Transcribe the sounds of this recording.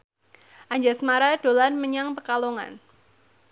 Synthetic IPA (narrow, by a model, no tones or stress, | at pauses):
ʔaɲd͡ʒasmaɾad̥o̤lanməɲaŋpəkaloŋa̰n